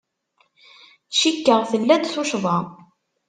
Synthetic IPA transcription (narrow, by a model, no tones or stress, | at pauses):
ʃikːəʁθəlːæd̪θuʃvˤɑ